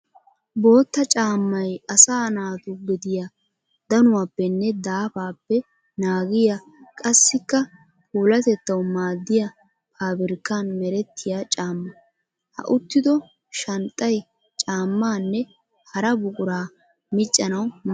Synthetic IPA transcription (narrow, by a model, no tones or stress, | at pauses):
bo̞ːt̪ːɐt͡ʃʼaːmːɐjɐsaːnaːt̪ʊɡɪd̪ɪja | d̪ɐnʊwaːpːɛnːɛd̪aːfaːpːɛ | naːɡɪja | kʼɐsːɪkːɐ | pʼuːlɐt̪ɛt̪ːɐwmaːd̪ːɪjɐ | pʰaːbɪɾkːanmɛɾɛt̪ːɪjat͡ʃʼaːmːɐ | hɐ̰ʔʊt̪ːɪd̪ɔ | ʃɐnt̪ʼːɐj | t͡ʃʼaːmːaːnːɛ | hɐɾɐbʊkʼʊɾaː | mɪt͡ʃʼːɐnɐwm